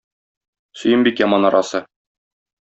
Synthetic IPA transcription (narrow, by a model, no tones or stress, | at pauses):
sɵ̆jɘmbikjɑmɑnɒɾɑsɤ